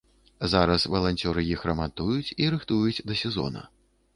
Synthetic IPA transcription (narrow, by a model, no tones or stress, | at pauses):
zaɾɐsvɐlˠanʲt͡sʲɔɾɨjixɾɐmat̪ujut͡sʲiɾɨxt̪ujut͡sʲd̪ɐsʲɛzɔ̰nɐ̰